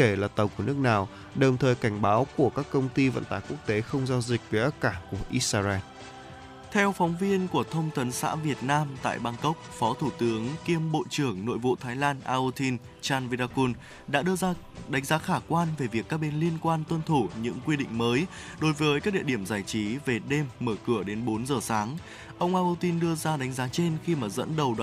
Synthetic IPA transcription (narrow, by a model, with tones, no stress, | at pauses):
ke˧˩laː˨˩t̪ə˨˩wku˧˩ənɨ˦˥ək̚naː˨˩w | ɗə˨˩wŋ͡mt̪ʰəː˨˩jka˧˩jŋ̟ɓaː˨˦wku˧˩əkaː˦˥kːə˧wŋ͡mt̪i˧və̰˧˨nt̪aː˧˩jku˦˥ək̚t̪e˨˦xə˧wŋ͡mzaː˧wzï˨˩k̟̚ve˨˩ʔə˦˥kaː˧˩ku˧˩əʔi˦˥saː˧zɛ˧n | t̪ʰɛ˧wfɔ˨˦wŋ͡mvi˧ənku˧˩ət̪ʰə˧wŋ͡mt̪ʰə˨˦nsa̰ː˧˥vi˨˩ət̚naː˧mt̪a̰ː˧˨jɓaː˧ŋkə˦˥wk͡p̚fɔ˨˦t̪ʰu˧˩t̪ɨ˨˦əŋki˧əmɓo̰˧˨t͡ɕɨ˧˩əŋno̰˧˨jvo̰˧˨t̪ʰaː˨˦jlaː˧nʔaː˧ʔu˧t̪ʰi˧n | t͡ɕaː˧nvi˧ɗaː˧ku˧n | ɗa̰ː˧˥ɗɨ˧əzaː˧ | ɗa˨˦ŋzaː˨˦xaː˧˩kwaː˧nve˨˩vi˨˩əkːaː˦˥k̚ɓe˧nli˧ənkwaː˧nt̪wə˧nt̪ʰu˧˩ɲɨ̰˧˥ŋkwi˧ɗḭ̈˧˨ŋ̟məː˨˦j | ɗo˨˦jvəː˨˦jk̬aː˦˥k̚ɗḭ˧˨əɗi˧˩əmzaː˧˩jt͡ɕi˨˦ve˨˩ɗe˧mːəː˧˩kɨ˧˩əɗe˨˦nɓo˨˦nzəː˨˩saː˨˦ŋ | ʔə˧wŋ͡mʔaː˧ʔu˧t̪i˧nɗɨ˧əzaː˧ɗa˨˦ŋ̟zaː˨˦t͡ɕe˧nxi˧maː˨˩zə̰˧˥nɗə˨˩wɗ